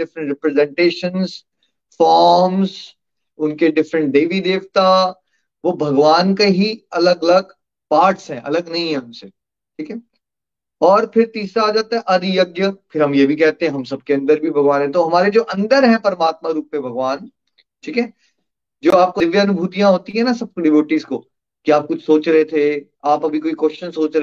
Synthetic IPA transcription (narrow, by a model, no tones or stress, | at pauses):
ɪfɾə̃ɳʈɾɪpɾezɛ̃ɳʈeːʃənz | fɔːɾmz | ʊnkeɖɪfɾə̃ɳʈ̚ɖeːʋid̪eːʋt̪a | ʋobʱɐɡʋaːnkeɦiɐləɡɐləɡ | paːɾʈsɦɛ̃ːʔɐ̰ləɡnɐɦĩɦɛ̃ʊnse | ʈʰiːkɛ | ɔːɾpʰɪɾt̪iːsɾaɦaːd͡ʒaːt̪aɦɛ̃ʔɐd̪jɐɡjəfʰɪɾɦɐmjebʱikɛɦt̪ẽɦɛ̃ɦɐmsɐb̚keɐ̃nd̪əɾbʱibʱɐɡʋaːnɦɛ̃t̪̬oɦɐmaːɾed͡ʒoːʔɐ̃nd̪əɾɦɛ̃pɐɾmaːt̪maɾuːpːebʱɐɡʋaːn | ʈʰiːkɦɛː | d͡ʒoːaːp̚koʋjəɐnʊbʱuːt̪ijãɦoːt̪iɦɛ̃nasɐb̚kɖɪʋoːʈiːzko | kiaːp̚kʊt͡ʃʰsoːt͡ʃɾɐɦet̪ʰe | aːpɐbʱikoːikwɛʃt͡ʃə̃nsoːt͡ʃɾɐ